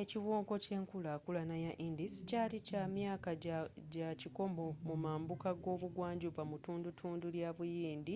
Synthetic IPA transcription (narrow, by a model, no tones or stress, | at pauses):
eciwo̞ːŋko̞ce̞ːŋkulakulanajaʔindiscaːlicaːmjaːkaɟaciko̞mo̞mumaːmbukaɡo̞ːβuɡwaːɲɟupamutuːndutʰuːnduljaβujiːnd̪i